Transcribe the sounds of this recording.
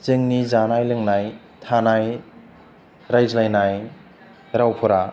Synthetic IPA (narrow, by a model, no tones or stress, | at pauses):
zɯŋnizanajlɯŋnaj | tʰanaj | ɾajzlajnaj | ɾawpʰɔɾa